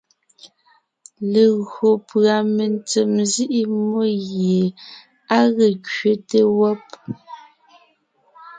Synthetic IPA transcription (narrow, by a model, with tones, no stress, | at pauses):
le˨ɣo˨pɰa˨me˨nt͡se˨mzi˦ʔi˦mo˦ɣje˨ | a˦ɣe˨kɥe˦te˦wɔ˦p̚